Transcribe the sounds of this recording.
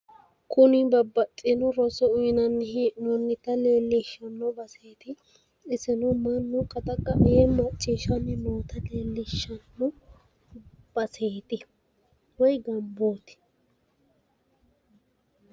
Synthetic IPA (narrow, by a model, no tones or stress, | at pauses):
kʊnɪbɐbːɐt̪ʼːɪnʊɾɔsɔʊjnɐnːɪɦinʊnːɪt̪ɐleːlːɪʃːɐnːɔbɐseːt̪ɪ | ɪsɪnʊmɐnːʊkʼɐt̪ʼɐkʼːɐʔjɛmɐt͡ʃʼːɪːʃɐnɪnoːt̪ɐleːlːɪʃːɐnːʊ | b̥ɐseːt̪ɪ | wɔjɡɐmboːt̪ɪ̥